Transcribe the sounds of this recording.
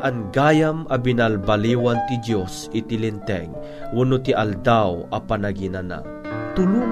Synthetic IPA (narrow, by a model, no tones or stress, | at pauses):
ʔɐnɡaːjamʔɐbinalbaliːwant̪ɪd̪josʔɪt̪ɪlɪnt̪ɛ̰ŋ | ʔʊnʊt̪iʔald̪awɐpanaɡinana̰ | t̪ʊlu